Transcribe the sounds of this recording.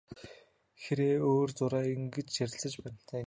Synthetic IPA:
xeɾeːoːrt͡sʊɾæːiŋɡĕt͡ɕʃæɾʲɪ̆ɮsə̆t͡ɕpæːn̥ʲt̪ʰæː

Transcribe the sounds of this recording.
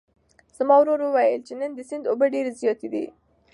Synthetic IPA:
z̥mɑwɾoɾwəwajəlt͡ʃenənd̪əsɪnd̪obəɖeɾezjɑt̪ed̪ḭ

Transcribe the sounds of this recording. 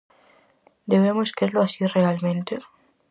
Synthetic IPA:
d̪eβemoskezloasirealmẽnt̪e

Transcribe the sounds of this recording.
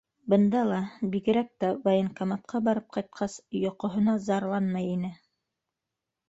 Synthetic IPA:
bɤ̆nd̪ɑlˠɑbiɡɘ̆ɾæk̚t̪ævajɤŋkamat̪̚qʰɑbɑɾɤp̚qɑjt̪̚qʰɑsjŏqŏɦŏnɑzɑɾlˠɑnmɑjinɘ

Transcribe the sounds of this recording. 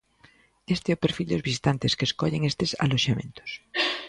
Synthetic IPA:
est̪eɛopeɾfild̪ozβisi̥t̪ant̪eskeskoʎeŋest̪esa̰loʃamẽ̞̰nt̪o̥s

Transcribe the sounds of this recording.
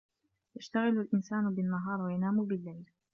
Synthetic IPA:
jaʃt̪aɣɪlalʔɪnsaːnbɪnːaɦɑːɾˤwajanaːmuːbɪlːajl

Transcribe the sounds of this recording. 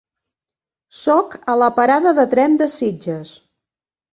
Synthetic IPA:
sɔkələpəɾaðəðət̪ɾɛnd̪əsid͡ʒəs

